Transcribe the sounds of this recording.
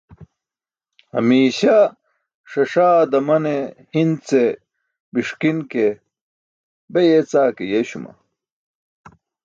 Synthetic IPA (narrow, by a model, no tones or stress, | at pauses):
hɐ̰miːɕa | ʂɐʂaːd̪ɐmɐnehind̪t͡se | biʂkinke | bejet͡saːkejeɕumɐ̰